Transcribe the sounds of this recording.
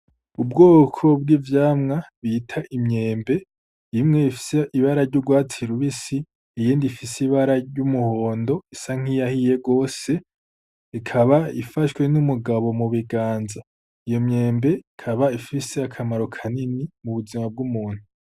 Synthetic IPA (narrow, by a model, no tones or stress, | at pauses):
ubɡo̞ːkʰo̞b̚ɡivjaːmŋaβitʰaʔimɲe̞ːmbe̞ | imŋe̞ifi̥seʔiβaɾaɾɟuɡwaːtiɾuβisiː | jiːndifisiβaɾaɟumuho̞ːndo̞isaŋ̥ijahije̞ɡo̞ːse̞ | ikʰaβaifaʃwe̞numuɡaβo̞muβiɡaːnza | ijo̞mɲe̞ːmbe̞ikʰaβaifiseakʰamaɾo̞kʰaninimuβuzimab̚ɡumuːn̥hu